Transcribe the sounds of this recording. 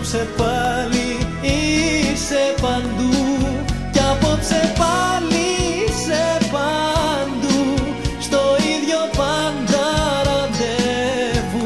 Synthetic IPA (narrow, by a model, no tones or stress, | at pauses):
psepɐli | isepɐnd̪u | cɐpo̞psepɐlisepɐnd̪u | st̪o̞iðʝopɐnd̪ɐɾɐd̪evu